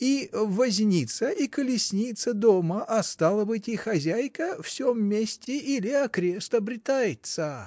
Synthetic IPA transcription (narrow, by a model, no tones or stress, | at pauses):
ivɐzʲnʲit̪səʔikəlʲɪsʲnʲit̪səd̪oməʔɐst̪alˠəbɨtʲixɐzʲæjkəfsʲomːʲesʲtʲɪʔilʲɪɐkɾʲe̞st̪ɐbɾʲɪt̪ajɪt̪sə